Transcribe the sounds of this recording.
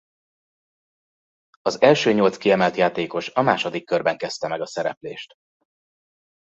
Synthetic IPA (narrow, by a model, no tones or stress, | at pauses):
ɒzɛlʃøːɲo̞lt̪skiɛmɛlt̪jaːt̪eːko̞ʃɒmaːʃod̪ikːørbɛŋkɛst̪ɛmɛɡɒsɛɾɛ̰pleːʃt̪